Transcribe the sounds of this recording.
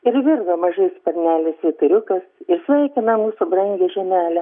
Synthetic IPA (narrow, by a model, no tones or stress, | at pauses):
ɪɾʋʲɪrɡɐmɐʒɐɪspɐrʲnʲæːlʲɪsʋʲɪt̪ʊɾʲʊkɐsɪɾsʲʋʲɛɪkʲɪnɐmuːsʊbrɐŋʲɡʲɛʒʲɛnʲæːlʲɛ